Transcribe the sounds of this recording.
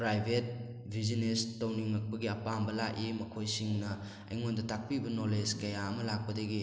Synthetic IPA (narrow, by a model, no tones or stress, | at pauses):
pɾajbʱet̚ | bʱizinestɐwniŋnɐk̚pɐɡiɐpambɐlaʔimɐkʰojsiŋnɐ | ɐ̰jŋondɐtʰak̚pibɐnoleskɐjaɐmɐlak̚pɐdɐɡi